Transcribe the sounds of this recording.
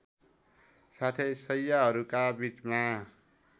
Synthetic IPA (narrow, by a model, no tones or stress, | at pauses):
sat̪ʰesʌjːaɦʌɾukabit͡sma